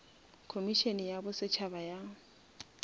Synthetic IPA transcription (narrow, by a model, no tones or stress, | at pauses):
kʰomiʃenɪjabʊsɪt͡ʃʰabaja